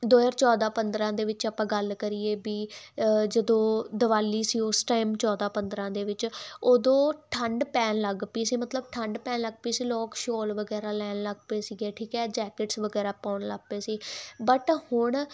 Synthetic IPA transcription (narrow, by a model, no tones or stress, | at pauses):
d̪oːjəɾt͡ʃɔːd̪aːpənd̪ɾãːd̪eːʋɪt͡ʃaːpãːɡəlkəɾiːeːbiːd͡ʒəd̪õːd̪əʋaːliːsiːʊsʈaːɪmt͡ʃɔːd̪aːpənd̪ɾãːd̪eːʋɪt͡ʃoːd̪õːʈʰəɳɖpɛːnləɡpiːsiːmət̪ləbʈʰəɳɖpɛːnləɡpiːsiːlɔːkʃoːlʋəɡɛːɾaːlɛːnləɡpeːsiːɡeːʈʰiːkɛːd͡ʒɛːkɪʈsʋəɡɛːɾaːpaːɳləɡ̚peːsiːbəʈhʊɳ